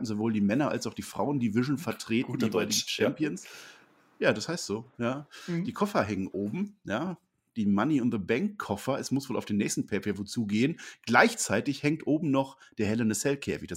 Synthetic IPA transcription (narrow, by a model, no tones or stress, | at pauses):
m̩zovoːldiːmɛnɐʔa̰lsaʊxd̥iːfʁ̥a̰ʊəndiːvɪʃn̩fɛɐtʁ̥eːtnːeːbadit͡ʃɛmpjəns | jaːdashaɪstz̥oːjaːd̥iːkʰɔfɐɦɛŋənʔoːbm̩jaː | d̥iːmaniʊntðəbɛŋkʰːɔfɐɛsmʊsv̥oːlʔaʊfd̥eːnɛːçstn̩pʰɛːfjɐvoːt͡suːɡeːənɡ̥laɪçt͡saɪtɪçhɛŋtʔoːbm̩nɔχd̥eːɐhɛlənəsɛltkʰɛ̰ːfɪçd̥as